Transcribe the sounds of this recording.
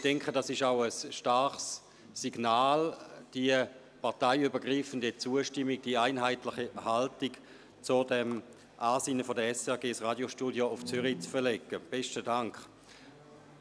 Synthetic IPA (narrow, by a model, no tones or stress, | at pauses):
d̥ɛŋkχədɑsɪʃaʊəsʃtaʁχsː | iɡnaːld̥iə | paʁtaɪybəɐɡʁiːfəndit͡suəʃtɪmːiɡ̚d̥iːaɪnɦaɪtlɪχihaltik | t͡sodɛm | ʔaːsiːnəfodəɛsɛɐɡeːsʁaːdjoʃtuːdjoʊft͡syʁit͡sfəɐlɛkːəb̥ɛstədaŋkχ